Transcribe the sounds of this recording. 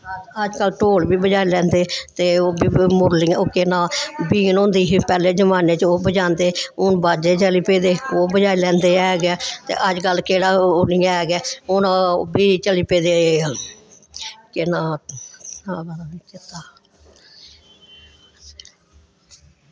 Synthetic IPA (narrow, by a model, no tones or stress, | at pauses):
əd͡ʒkəlʈoːlbiːbəd͡ʒaːilɛ̃ːnd̪eːt̪eːoːbiːmʊɾliokenãːbiːnõːnd̪iːɦpɛːleːd͡ʒəmaːneːt͡ʃoːbəd͡ʒãːnd̪eːʊnbaːd͡ʒeːt͡ʃəliːpeːd̪eːoːbəd͡ʒaːilɛ̃ːnd̪eːɛːɡɛːt̪ḛːʔəd͡ʒkəlːkeːɽaːoniːaɛːɡɛːʊnabiːt͡ʃəliːpeːd̪eː | kɪnaː | aːbaabikɪt̪aː